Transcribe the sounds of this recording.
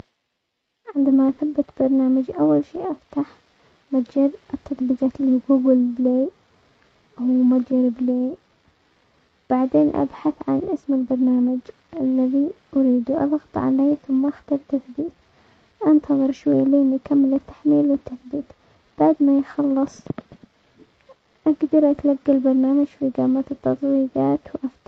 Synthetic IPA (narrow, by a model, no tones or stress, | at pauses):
ʕɪnd̪amaʔaθabːɪt̪b̥ɑɾˤnaːmad͡ʒʔawːalʃiːʔaft̪aħ | mat̪d͡ʒɪɾʔɪt̪ʰːɑt̪ˤbɨɣat̪liɡuːɡɪlbleː | umaaɾɪbliː | b̥aʕd̪eːnʔa̰bħaθʕanʔɪsmɪlbɑɾˤnaːmad͡ʒ | ʔalːaðiʔaɾiːd̪uʔɑ̰lɣɑt̪ˤʕa̰leːθʊmːaʔaxt̪ɑɾˤt̪aθbiːt̪ | ʔant̪ʰɑðˤɨɾʃwajːaleːnikamːɪlɪt̪ːḁħmiːlwɪt̪ːaθbiːt̪ | b̥aʕd̪majxɑlːɨsˤ | ʔaɡd̪ɑɾˤʔat̪laɡːalbɑɾˤnaːmad͡ʒfiɡaːmat̪ɪt̪ːɑt̪ˤwiːɡ̪ɑːt̪wʔaft̪